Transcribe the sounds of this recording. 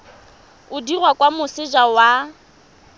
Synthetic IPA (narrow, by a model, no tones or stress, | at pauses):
ʊdirwakʼwamʊsɪd͡ʒawa